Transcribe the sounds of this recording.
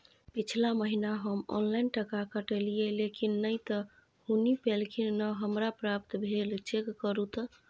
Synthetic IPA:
pit͡ʃʰlaməɦinaɦəmɔ̰nlainʈəkakəʈelijelekinːəjt̪ə | hunipelkʰinnəɦəmɾapɾap̚t̪bʱelt͡ʃekːəɾut̪

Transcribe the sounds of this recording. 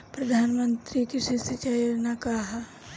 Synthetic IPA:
pɾɐd̪ʱaːnmə̃nt̪ɾikɪsesɪt͡ʃajnakaɦa

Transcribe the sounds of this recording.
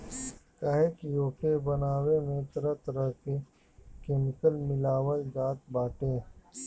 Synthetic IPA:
kaɦekjoːkebɐnaːwemẽt̪ɐɾət̪ɐɾəɦke | keːmɪkəlmɪlaːwəlɡaːt̪̚baːʈẽː

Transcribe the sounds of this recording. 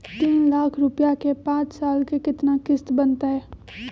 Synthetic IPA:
t̪iːnlaːkʰɾʊpjakepãːt͡ʃsaːlkekɪt̪nakɪst̪bənt̪aɦɛː

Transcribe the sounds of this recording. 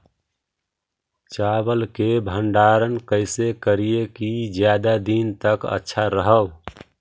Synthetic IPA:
t͡ʃabəlkebʱəɳɖaɾənkəɪsekəɾijekid͡ʒjad̪ad̪int̪əkə̰tːʃʰaɾəɦəw

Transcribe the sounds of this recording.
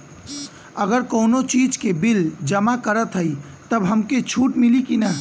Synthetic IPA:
əɡəɾkoːnot͡ʃid͡ʒkebild͡ʒəmakəɾət̪ɦəi | t̪əbɦəmket͡ʃʰuʈmilikinə

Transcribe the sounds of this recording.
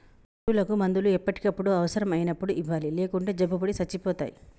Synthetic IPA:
ʈulɐkumɐnd̪uluɛpːɐʈi̥kɐpːuɽuɐʋɐsɐɾɐmɐjinɐpːuɽuiʋaːlile̞ːkuɳʈe̞ːd͡ʒɐbːubɐɽisɐt͡ʃːipɔːt̪a̰ːjḭ

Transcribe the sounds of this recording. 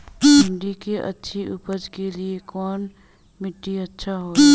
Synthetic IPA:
ʊ̃ɳɖikeʔɐ̰tːʃʰiʊpəd͡ʒkeliekɔːn | mɪʈːiɐtːʃʰaɦoː

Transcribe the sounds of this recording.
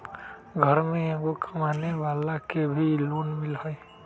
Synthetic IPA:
ɡʱʌɾmeeɡokʰəmaneʋalakebʱilonmilhɔj

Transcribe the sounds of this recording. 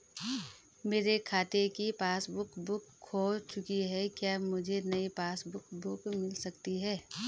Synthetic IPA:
meːɾekʰaːt̪ekipaːsbʊkbʊkʰːoːt͡ʃʊkiɦɛkjaːmʊd͡ʒʱenɐipaːsbʊkbʊkmɪlsɐkt̪iɦɛː

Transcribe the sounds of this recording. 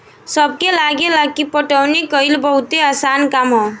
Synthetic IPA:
səb̚kelaːɡelakipəʈəwnikəɪlbəɦʊt̪easaːnkamɦɔ

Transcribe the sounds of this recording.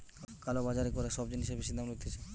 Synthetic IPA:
kalobad͡ʑaɾekɔɾaʃɔbd͡ʑiniʃabiʃid̪amlot̪ʰet͡ɕʰe

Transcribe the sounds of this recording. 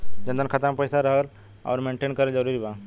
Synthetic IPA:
d͡ʑə̃nd̪ənkʰət̪ãmpəjsaɾəɦəɾ | a̰ʋɾmeɳʈeːnkəɾed͡zəɾuːɾiːba

